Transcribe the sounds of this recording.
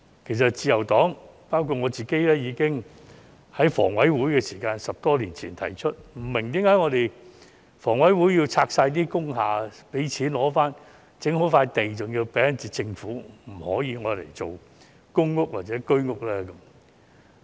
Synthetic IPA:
kʰe˨˩js̬ɐ˨t̚t͡siː˧jɐ˨˩wt̪ɔː˨˥ŋpaː˥wkʰu˧t̚ŋɔː˨˧t͡siː˨ke˥jlɛː˥jiː˨˧kɪ˥ŋ | hɐ˨˥jfɔ̰ː˨˩ŋwɐ˨˥jwuː˨˥jkɛː˧siː˨˩kaː˧nsɐ˨p̚t̪ɔː˥liː˨˩nt͡sʰiː˨˩nt̪ʰɐ̰˨˩jt͡ʃʰɵ˥t̚m̩˨˩mɪ˨˩ŋt̪iː˨˥mkaː˨˥jŋɔː˨˧t̪e˨j | fɔː˨˩ŋwɐ˨˥jwuː˨˥jji˧wt͡sʰaː˧k̚saː˧jt̪̬iː˥kʊ˥ŋɦaː˨pe˨˥jt͡sʰiː˨˥nlɔː˨˥faː˥n | t͡sɪ˨˥ŋɦo˨˥wfaː˧jt̪e˨jt͡sʊ˨ŋji˧wpɛː˨˥ɐ˨nt͡siː˨˧t͡sɪ˧ŋfuː˨˥m̩˨˩hɔ̰ː˨˥jiː˨˧ŋɔː˨˧lḛ˨˩jt͡so˨w | kʊ˥ŋːʊ˥k̚waː˨˩t͡sɛ˨˥kɵ˥ɥŋʊ˥k̚lɛː˥kə˨˧˥m

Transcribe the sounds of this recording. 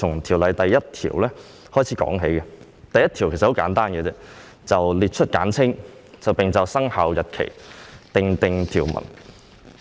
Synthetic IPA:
ʊ˨˩ŋt̪ʰiː˨˩wlɐ˨˧jt̪ɐ˨jːɐ˥t̚t̪ʰḭː˨˩wlɛː˥ | hɔː˥jt͡sʰiː˨˥kɔ̰ː˨˥ŋɦe˨˥jkɛ˧ | t̪ɐ˨jɐ˥t̪ʰi˨˩wke˨˩sɐ˨ho˨˥wkaː˨˥nt̪aː˥nɡɛː˧t͡sɛː˥ | t͡sɐ˨wliː˨˩t̚t͡ʃʰɵ˥t̚kaː˨˥nt͡sʰɪ˥ŋ | t͡sɐ˨wpɪ˨ŋt͡sɐ˨wsɐ˥ŋhaː˧wjɐ˨t̚kʰḛ˨˩jt̪ɪ˨˧ŋt̪ɪ˨˧ŋt̪ʰiː˨˩wmɐ̰˨˩n

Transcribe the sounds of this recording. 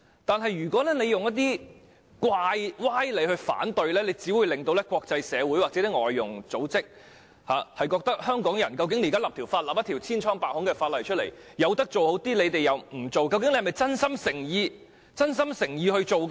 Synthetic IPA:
t̪aː˨nɦɐ˨jɥyː˨˩kʷɔː˨˥lɛː˥ne˧jʊ˨ŋjɐ˥t̪̚t̪iː˥ | kwaː˧jwaː˥jle˨˧jhɵ˧fa̰ː˨˥nt̪ɵ˧ɥlɛː˥le˨˧jt͡siː˨˥wu˨˧jlɪ˨ŋt̪o˧wlɛː˥kʷwɔː˧k̚t͡sɐ˧jsɛː˨˧wu˨˥jwaː˨k̚t͡sɛ˨˥t̪i˥ŋɔ̰ː˨jːʊ˨˩ŋt͡so˨˥wt͡sɪ˥k̚ | haː˨hɐ˨jkɔː˧k̚t̪ɐ˥k̚hœː˥ŋkɔː˨˥ŋjɐ˨˩nkɐ˧wk̬ɪ˧ŋe˧˥jkaː˥laː˨p̚t̪ʰi˨˩wfaː˧t̚laː˨p̚ɐ˥t̪ʰi˨˩wt͡sʰiː˥nt͡ʃʰɔː˥ŋpaː˧k̚hʊ˨˥ŋkɛ˧faː˧t̚lɐ˨jt͡ʃʰɵ˥t̚lḛ˨˩jjɐ˨˧wt̪ɐ˥k̚t͡so˨who˨˥wt̪iː˥le˨˧t̪e˨jɐ˨wm̩˨˩t͡so˨wkɐ˧wkɪ˥ŋle˧˥hmɐ˨˩jt͡sɐ˥nsɐ˥msɪ˨˩ŋjiː˧ | t͡sɐ˥nsɐ˥msɪ˨˩ŋjiː˧hɵ˧ɥt͡ʃo˨wkː

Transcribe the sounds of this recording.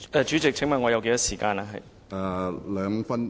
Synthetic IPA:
ʔɛː˨˧t͡ʃy˨˥t͡sɪ˨k̚t͡sʰɪ˨˥ŋmɐ˨˧nŋɔː˨˧jɐ˨˧ke˨˧jɐ˥siː˨˩kaː˧naː˨˧ɦɐ̰˨˩j | ʔa˨˧lœː˨˧ŋ˧fɐ˥n

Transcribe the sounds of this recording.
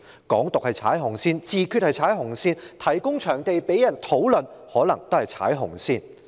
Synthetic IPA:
kɔː˨˥ŋt̪ʊ˨k̚hɐ˨jt͡sʰaː˨˥jɦʊ˨˩ŋsiː˥nt͡siː˨˧kʰyː˥˧t̚hɐ˨jt͡sʰaː˨˥jɦʊ˨˩ŋsiː˥nt̪ʰɐ˨˩jkʊ˥ŋt͡ʃʰœː˨˩ŋt̪e˨jpe˨˥jɐ˨˩nt̪ʰo˨˥wlɵ˨nhɔː˨˥lɐ˨˩ŋt̪o˥whɐ˨jt͡sʰa̰ː˨˥jɦʊ˨˩ŋsiː˥˧n

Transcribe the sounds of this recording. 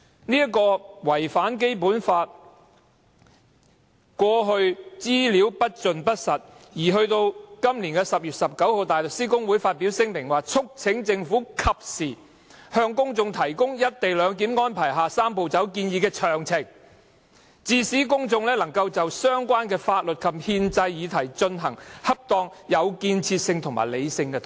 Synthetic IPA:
niː˥jɐ˥kɔː˧wɐ˨˩jfaː˨˥nk̬e˥jp̬uː˨˥nfaː˧t̚ | kʷɔː˧ɦɵ˧ɥt͡siː˥liː˨˥wpɐ˥t̚t͡ʃɵ˨npɐ˥t̚sɐ˨t̚jiː˨˩ɦɵ˧ɥt̪o˧wkɐ˥mliː˨˩kɛː˧sɐ˨p̚jyː˨t̚sɐ˨p̚kɐ˨˥who˨wt̪aː˨˩jlʊ˨k̚siː˥kʊ˥ŋwuː˨˥jfaː˧t̚pi˨˥wsɪ˥ŋmɪ˨˩ŋwaː˨t͡sʰʊ˥k̚t͡sʰɪ˨˥ŋt͡sɪ˧ŋfuː˨˥kʰɐ˨p̚siː˨˩ | hœː˧ŋkʊ˥ŋt͡sʊ˧ŋt̪ʰɐ˨˩jkʊ˥ŋjɐ˥t̚t̪e˨jlœː˨˧ŋk̬iː˨˥mŋɔː˥npʰaː˨˩jɦaː˨saː˥mpo˨wt͡sɐ˨˥wk̬iː˧njiː˨˧kɛː˧t͡ʃʰœː˨˩ŋt͡sʰɪ˨˩ŋ | t͡siː˨˩siː˨˥kʊ˥ŋt͡sʊ˧ŋlɛː˥lɐ˨˩ŋkɐ˧wt͡sɐ˨wsœː˥ŋkʷaː˥nkɛː˧faː˧t̚lɵ˨t̚kʰɐ˨mhiː˧nt͡sɐ˧jjiː˨˧t̪ʰɐ˨˩jt͡ʃɵ˧nɦɐ˨˩ŋhɐ˥p̚t̪ɔː˧ŋ | jɐ˨˧wkiː˧nt͡sʰiː˧t̚sɪ˧ŋt̪ʰʊ˨˩ŋma̰˨˩le˨˧jsɪ˧ŋkɛː˧t̪ʰ

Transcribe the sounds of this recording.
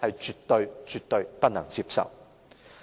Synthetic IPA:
hɐ˨jt͡ʃyː˨t̪ːɵ˧ɥt͡ʃyː˨t̪ːɵ˧ɥpɐ˥t̚nɐ̰˨˩ŋt͡siː˧psɐ̰˨w

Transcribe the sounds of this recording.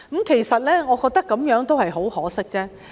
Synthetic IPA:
kɐ˨˥mkʰe˨˩jsɐ˨t̚lɛː˥ŋɔː˨˧kɔː˧k̚t̪ɐ˥kːɐ˨˥mjœː˨˥ŋt̪o˥whɐ˨jɦo˨˥whɔː˨˥sɪ˥k̚t͡sɛː˥

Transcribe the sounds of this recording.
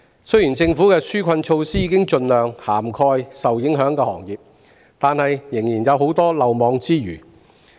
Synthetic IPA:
sɵ˥ɥjiː˨˩nt͡sɪ˧ŋfuː˨˥kɛː˧syː˥kʷʰɐ˧nt͡ʃʰo˧wsiː˥jiː˨˧kɪ˥ŋt͡ʃɵ˧nlœː˨ŋhaː˨˩mkʰɔː˧jsɐ˨wjɪ˨˥ŋɦœː˨˥ŋkɛː˧hɔː˨˩ŋjiː˨p̚ | t̪aː˨nhɐ˨jːɪ˨˩ŋjiː˨˩njɐ˨˧wɦo˨˥wt̪ɔː˥lɐ˨wmɔː˨˧ŋt͡siː˥jy̰ː˨˩

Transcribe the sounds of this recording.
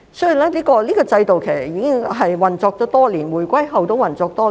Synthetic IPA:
sji˨˩wlɛː˥liː˥kɔː˧liː˥kɔː˧t͡sɐ˧jt̪o˨wkʰe˨˩sɐ˨˩jiː˨˧˥kɪ˥ŋɦɐ˨jwɐ˨˩nt͡sɔː˧k̚t̪ɔː˨˥t̪ɔː˥liː˨˩nwuː˨˩jkʷɐ˥jɦɐ˨wt̪o˧˥wɐ˨nt͡sɔː˧k̚t̪ɔː˥

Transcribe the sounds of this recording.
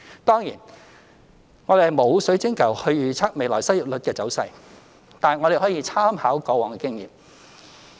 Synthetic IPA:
t̪ɔː˥ŋjiː˨˩n | ŋɔː˨˧ɾe˨hmo˨˧wsɵ˨˥ɥt͡sɪ˥ŋkɐ˨˩whɵ˧ɥjyː˨t͡sʰaː˥k̚me˨jlɔː˨˩jsɐ˥jiː˨p̚lɵ˨t̚kɛː˧t͡sɐ˨˥wsɐ˧j | t̪aː˨n˨ŋɔ˨˧ɾe˨˩jɦɔː˨˥jiː˧˥t͡sʰaː˥mhaː˨˥wkɔː˧wɔː˨˩ŋkɛː˧kɪ˥ŋjḭː˨m

